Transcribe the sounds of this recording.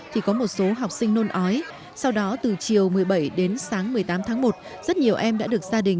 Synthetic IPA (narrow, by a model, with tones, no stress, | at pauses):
t̪ʰi˨˩kɔ˨˦mo˨˩t̚so˨˦ɦa˨˩wk͡p̚sï˧ŋ̟no˧nʔɔ˨˦j | sa˧wɗɔ˨˦t̪ɨ˨˩t͡ɕi˨˩əwmɨ˨˩əjɓə˧˩jɗe˨˦nsaː˨˦ŋmɨ˨˩əjt̪aː˨˦mt̪ʰaː˨˦ŋmo˨˩t̚ | zə˦˥t̚ɲi˨˩əwʔɛ˧mɗa̰ː˧˥ɗɨ˨˩ək̚z̥aː˧ɗï˨˩ŋ̟